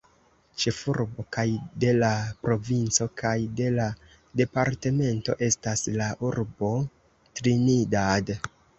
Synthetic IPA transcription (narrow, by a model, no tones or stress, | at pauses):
t͡ʃe̞fuɾbo̞kajde̞lapɾo̞vint͡so̞kʰajde̞la | de̞paɾte̞me̞nto̞̰ʔe̞staslaʔuɾbo̞ | tɾinidad